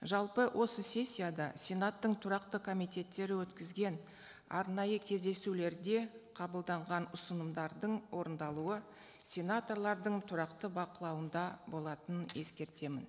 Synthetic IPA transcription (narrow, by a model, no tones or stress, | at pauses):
ʒɑlˠpəwʔo̞səsʲe̞sʲːijad̪ɑsʲe̞nat̪ːəɴt̪ʰʊɾɑqt̪əkʰo̞mijt̪ʲe̞t̪ːe̞ɾɪwɵt̪kʲɪzɡʲe̞n | ɑ̰ɾnɑjəkʲʰe̞zd̪e̞sule̞ɾd̪e̞qʰɑbəlˠd̪ɑɴʁɑnʊsənəmd̪ɑɾd̪əɴwo̞ɾənd̪ɑlˠuə | sʲe̞nat̪o̞rlˠɑɾd̪əɴt̪ʰʊɾɑqt̪əbɑqəlˠɑwənd̪ɑbo̞lˠɑt̪ənənje̞skʲe̞ɾt̪e̞mɪn